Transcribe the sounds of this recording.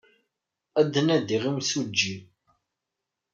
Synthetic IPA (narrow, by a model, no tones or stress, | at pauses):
æd̪ənæd̪iʁimsud͡ʒːi